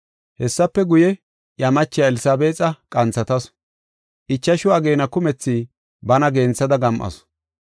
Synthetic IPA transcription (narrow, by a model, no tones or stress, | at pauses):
hɛsːɐpːɛɡʊjɛ | jɐmɐt͡ʃːɪjaɛlɪsaːbeːt͡sʼɐkʼɐnt͡sːɐt̪ɐs | ʔɪt͡ʃːɐʃʊɐɡeːnɐkʊmɛt͡sːiː | bɐnɐɡeːnt͡sːɐd̪ɐɡɐmʔɐ̰s